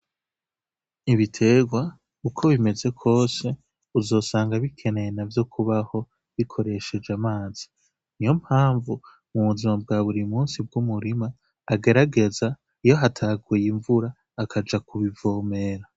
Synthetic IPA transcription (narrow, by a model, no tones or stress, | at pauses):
iβitʰe̞ːɡwa | ukʰo̞βime̞ze̞kʰo̞ːse̞ | uzo̞ːsaːŋɡaβikʰe̞ne̞jenavjo̞kʰuβaho̞ | βikʰo̞ɾe̞ʃe̞d͡ʒamaːz̥i | nijo̞m̥haːɱvu | muβuzimab̚ɡaːβuɾimuːnsib̚ɡumuɾimaː | ɡe̞ɾaɡe̞za | ijo̞ɦatʰaɡujiɱvuɾaː | kʰad͡ʒakuβivo̞ːme̞ɾa